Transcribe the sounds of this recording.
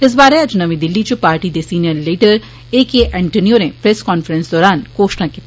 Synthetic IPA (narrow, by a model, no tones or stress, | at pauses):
ɪs̬baːɾeɐd͡ʒnɐʋĩd̪ɪlːit͡ʃupaːɾʈid̪esiːnijəɾleːʈəɾ | eːkeʔɛ̃ːɳʈenioɾẽpɾɛːskɔːnfəɾə̃nsd̪ɔːɾaːnkoːʃnakit̪